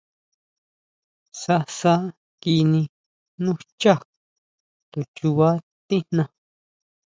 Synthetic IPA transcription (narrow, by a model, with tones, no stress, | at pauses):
sa˧sa˦ | ki˧nĩ˧ | nũ˦t͡ʃa˦˨ | t̪o˨t͡ʃu˧βa˦ | t̪i˦n̥nã˧